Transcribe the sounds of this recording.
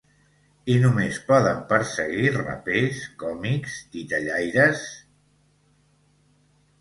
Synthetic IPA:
inumespɔðəmpəɾsəɣirə̰peskɔmikst̪it̪əʎajɾəs

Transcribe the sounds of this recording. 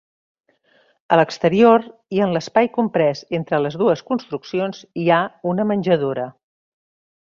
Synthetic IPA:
ələkst̪əɾioɾiənləspajkumpɾɛzent̪ɾələzðuəskunst̪ɾuksionziaunəmənʲʒəð̞oɾə

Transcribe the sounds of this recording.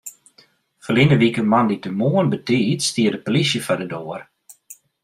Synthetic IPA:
fəlinəʋikənmanditəmoənbətiːtstiədəpolisjəfadədoːər

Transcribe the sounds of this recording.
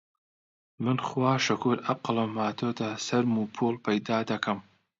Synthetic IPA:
mɨnχwaːʃɐkʰuɾɐqlˠɐmaːt̪ʰoːd̪asɐɾmuːpʰoːlˠpʰɐjd̪aːd̪ɐkʰɐm

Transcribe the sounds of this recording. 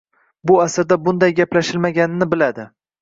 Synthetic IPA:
bʊasɪɾd̪abʊnd̪ajɡʲaplaʃɪlmaɡʲanɪnɪbɪlad̪ɪ

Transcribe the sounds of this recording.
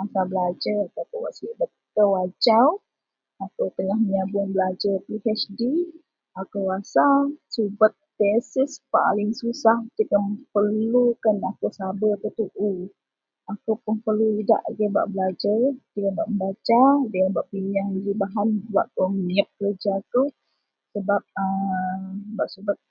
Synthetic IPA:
asabəlad͡ʒəɾakawkuwa̰ʔsbətkəwad͡ʒaw | akawt̪əŋahməɲabuanbəlad͡ʒərpihɛt͡ʃdi | akəwasasubət̪̚pesɪspa̰lɪŋsusaht̪ikəmpərlukanakusabək̪ut̪uʔu | akuwpʊnpəluida̰ʔɡəba̰ʔbəlad͡ʒat̪ikabaʔməmbat͡ʃadəŋabaʔpiɲaŋd͡ʒibaɦanbuwaʔk̪umiəp̚kəəd͡ʒat̪u | səbap̚əm | baʔsubət̪̚

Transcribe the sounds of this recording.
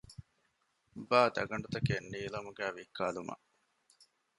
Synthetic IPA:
baːd̪ɐ̰ɡɐɳɖut̪ɐkenːiːlɐmuɡæːʋikːaːlumɐ̰

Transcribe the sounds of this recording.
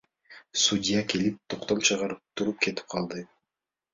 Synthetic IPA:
sudʲijakelip̚t̪ʰoqt̪olˠt͡ʃʰɑʁɑɾɯp̚t̪ʰuɾup̚ke̞t̪i̥p̚qʰɑlˠd̪ɯ

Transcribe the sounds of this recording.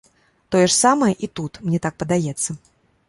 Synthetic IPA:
t̪ɔjɛʂsamɐjɛʔit̪ut̪mnʲɛt̪ak̚pɐd̪ajɛt̪sːɐ

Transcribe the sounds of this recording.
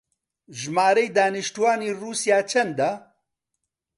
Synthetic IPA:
ʒmaːɾɐjd̪aːniʃtuwaːniːruːsjaːt͡ʃʰɐnd̪a

